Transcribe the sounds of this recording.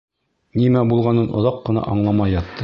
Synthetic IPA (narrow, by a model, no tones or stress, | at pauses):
nimæbulˠʁɑnɤnʔŏ̰ðɑqːɤ̆nɑ̰ʔɑɴlˠɑmɑjɑt̪ːɤ